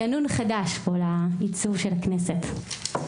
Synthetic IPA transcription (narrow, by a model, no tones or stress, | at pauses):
anunχadaʃbolait͡suvʃelakneset